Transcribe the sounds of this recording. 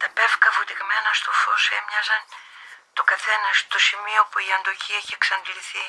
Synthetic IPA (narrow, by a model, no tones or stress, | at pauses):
t̪ɐpe̞fkɐfot̪iɣmenɐst̪ofosemɲɐzɐnt̪okɐθe̞nɐst̪o̞simio̞puiɐnd̪ociɐeçeksɐnliθi